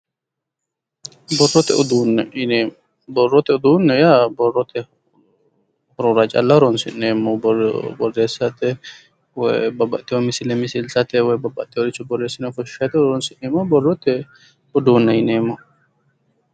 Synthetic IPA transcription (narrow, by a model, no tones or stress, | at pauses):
bɔrːɔt̪ɛ̰ʊd̪uːnɛɪe | bɔrːɔt̪ɛʊd̪uːnːɛjabɔrːɔt̪ɛ | hɔɾɔɾat͡ʃʼɐ̰lːɐhɔɾɔnsɪ̰nːeːmːɔbɔrːe̞ːsːɐt̪ɛ | wɔbɐbːɐ̰t̪ʼːɪwɔmɪsɪlɛmɪsɪlsɐt̪ɛwɔjbɐbːɐ̰t̪ʼːɪwɔɾɪt͡ʃːʊbɔrːeːsːɪnɐfɔʃʃɐt̪ɛɾɔnsɪʔneːmːɔbɔrːɔt̪ːɛ | ʊd̪uːnːɛjɪneːmːɔ